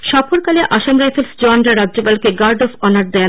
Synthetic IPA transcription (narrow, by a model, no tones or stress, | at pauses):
ʃɔpʰoɾkaleʔaʃamɾajfʰelsd͡ʑɔnɾaɾadːd͡ʑopalkeɡaɾɖɔfɔnaɾd̪ɛ